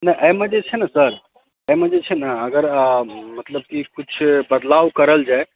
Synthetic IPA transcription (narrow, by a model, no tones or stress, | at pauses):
nəʔəjmẽd͡ʒet͡ʃʰɛnəsəɾ | əjmẽd͡ʒet͡ʃʰɛnəəɡəɾmət̪ləb̚kikut͡ʃʰbəd̪lawkəɾəld͡ʒae